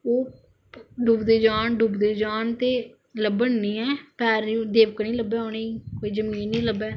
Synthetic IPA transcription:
oː | ɖubd̪eːd͡ʒaːɳɖuːbd̪eːd͡ʒaːnt̪eː | ləbəɳnĩːɛ̃ːpɛːɾũːd̪eːʋkənĩːləbɛːõːneːikoːiːzəmiːnːĩːləbɛː

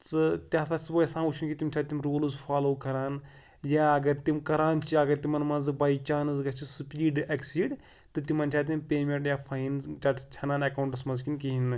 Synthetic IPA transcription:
t͡sɨt̪ʲjaːt̪ʰasɨbɐjsãːut͡ʃʰunkʲit̪imʲt͡ʃʲʰaːt̪imɾoːlɨzfʰaːloːkɐɾaːn | jaːɐɡɐɾt̪imkɐɾaːnt͡ʃʰiɐɡɐɾt̪imɐnmɐnzɨbɐit͡ʃaːnɨzɡɐt͡ʃʰisupiːɖɐksiɖ | t̪ɨt̪imɐnt͡ʃʲʰaːt̪̬impʲeːmeɳʈjaːfʰɐinzt͡ʃɐʈt͡ʃʰɐnaːnɐkauɳʈɨsmɐnzkinkʲiɦinɨ

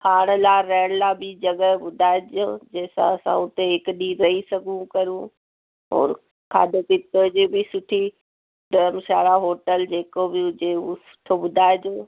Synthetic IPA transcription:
kʰaːɽ̃laɾɛːɪɽ̃labɪd͡ʑɐɠəɓʊd̪ʱaːed͡ʒod͡ʑɛːsã̰ɐsã̰ʊt̪ekɗiːɾɐɦisɐɡʱũkɐɾũ | ɔ̰ːɾ | kʰa̰ːdopɪt̪od͡ʑebɪsʊʈʰi | ɖəmsaːɽaɦoːʈəld͡ʑeːkobɪʊd͡ʑeusʊ̥ʈʰoɓʊd̪ʱaːɪdõː

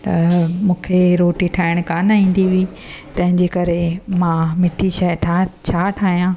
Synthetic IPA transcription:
t̪ɐmũːkʰeɾoːʈiʈʰaːɪɽ̃kaːnaĩːn̆d̪iʋi | t̪ɐ̃ɦɪ̃ɲd͡ʑeːkɐɾemãmɪʈʰiʃaʈʰat͡ɕʰaːʈʰaːɦijãː

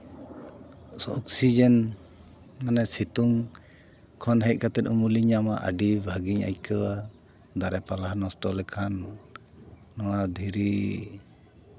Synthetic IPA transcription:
sɔksid͡ʒɛn | manɛsit̪uŋ | kʰɔnɦɛc̚kat̪ɛt̪umuliɲamaʔə̰ɖibʱaɡiɲa̰jkəwa | d̪aɾɛpalahnɔsʈɔlɛkʰan | ɔwad̪ʱiɾi

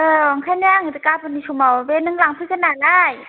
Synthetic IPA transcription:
ʔəːɔŋkʰanŋɯt̪ikaːpʰonisʰumawbenːɯŋlaŋpʰɯkʰanaːdaːj

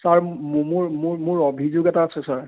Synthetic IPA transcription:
saɹmʊɹmʊɹmʊɹɔbʱizoɡɛtaːsɛsaɹ

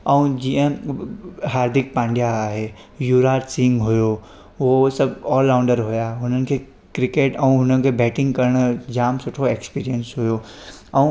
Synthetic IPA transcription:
ɐ̃ũd͡ʑiə̃ | ɦaːɾd̪ʱɪk̚pãːɳɖjaaːɦe | juːɾaːʈsiŋɡɦʊjo | ʋosɐbɔːlːãʊ̃ɳɖəɾɦʊjaɦʊnənɪ̆kʰe | kɾɪkeːʈɛ̃ũɦʊnənɪ̆kʰebɛːʈɪ̃ŋɡkɐɾɽ̃d͡ʑaːmsʊʈʰoekspiːɾijənsɦʊjo | ɛũ

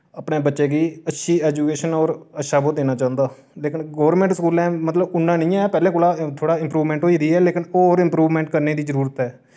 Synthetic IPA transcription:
əpnẽːbətːʃeːɡiːətːʃʰiːɛːd͡ʒuːkeːʃənɔːɾətːʃaːboːd̪eːnaːt͡ʃaːənd̪aː | leːkɪnɡoːʋɾmɛ̃ːʈsəkuːlɛ̃ːmət̪ləbʊnːãːnĩːɛːpɛːlẽːkoːlaːt̪ʰoːɽaːɪmpɾuːʋmɛ̃ːɳʈɦoːiːd̪iːɛːleːkɪnoːɾɪ̃mpɾuːʋmɛ̃ːɳʈkəɾneːd̪iːzəɾuːɾət̪ɦɛː

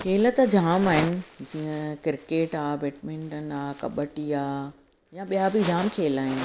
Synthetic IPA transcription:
kʰeːlət̪əd͡ʑʱaːmaːɦɪnɪ̆d͡ʑiːə̃kɪɾkeːʈaːbeːʈmẽːɳʈən̆aːkɐɓəʈiaː | jaɓijabɪd͡ʑʱaːmkʰeːlaːɦɪnɪ̆

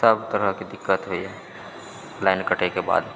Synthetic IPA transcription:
səbt̪əɾəɦkid̪ɪkːət̪ɦoiɦɛ | laːɪnkəʈʰekeba̰ːd̪

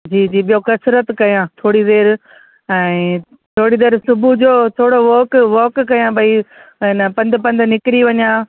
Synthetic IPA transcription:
d͡ʑiːd͡ʑiːɓijokɐsɾət̪kɐjãːt̪ʰoːɽid̪eːɾ | ɛ̃ː | t̪ʰoːɽid̪eːɾsʊbʱud͡ʑoːt̪ʰoːɽoʋoːkʋoːkːɐjãbʱaiɪnəpɐ̃nd̪pɐ̃nd̪nɪkɾiʋɐɲãː

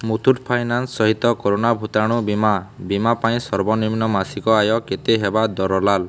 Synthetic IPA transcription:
mut̪ʰuʈpʰajnansːɔɦit̪ɔkoɾonabʱut̪aɽ̃ũbimabimapaĩsɔɾbɔniminɔmasikɔajɔket̪eɦebad̪ɔɾɔlal

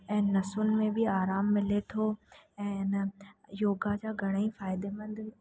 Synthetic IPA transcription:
ɛ̃ːnɐsʊnɪ̆mẽbɪaːɾaːmːɪlet̪ʰoːɛ̃ːnjoːɡad͡ʑaːɡʱɐɽ̃ĩfaːɪd̪emɐ̃nd̪

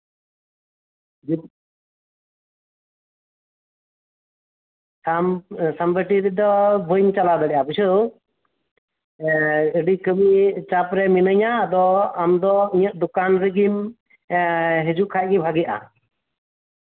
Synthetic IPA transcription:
amsambəʈiɾɛd̪ɔbʱujnt͡ʃalad̪ɔlɛʔabisə | əɖikʰəbit͡ʃapɾɛminəɲaːd̪ɔamd̪ɔiɲəʔ̚d̪ukanɾɛɡim | ɦɛd͡ʒuʔkʰaʔ̚ɡɛbʱaɡɛjaʔa̰

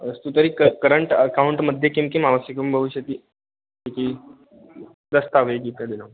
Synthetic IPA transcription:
əst̪uːt̪əɾiːkəkəɾəɳʈəkauɳʈməd̪ʱːjekĩŋkimaʋəsikəmbʱəʋuɕət̪iː | ikʰiː | d̪əst̪aʋeɡit̪jad̪ila

